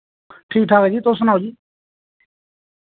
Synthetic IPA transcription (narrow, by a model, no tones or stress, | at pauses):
ʈʰiːk̚ʈʰaːkeːd͡ʒiːt̪oːsʊnaːwd͡ʒiː